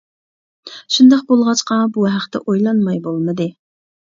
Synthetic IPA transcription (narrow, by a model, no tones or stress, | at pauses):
ʃund̪ɑqbolˠʁɑt͡ʃqɑbuɦæχt̪ɛ̰ʔojlˠɑnmɑjbolˠmɨd̪ɨ